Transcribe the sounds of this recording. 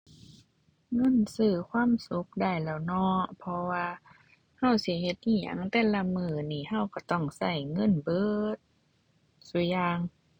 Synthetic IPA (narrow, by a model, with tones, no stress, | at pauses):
ŋɤ˧˥˨nsɯː˧˩kʰwaː˧˥˨msu˧˦k̚da˧˩jlɛː˧˩wnɔː˧˩˦pʰɔ˧waː˧ | ha˧˥˩wsi˧˦he˧˦t̪̚ʔiː˧˩ja̰˨˦ŋt̪ɛː˧˨la˧mɯː˧˩niː˧˩ha˧˥˩wka˧˩t̪ɔ˧˩ŋsa˧˩jŋɤ˧˥˨nbɤː˧˥˦t̪̚ | su˧˦jaː˧ŋ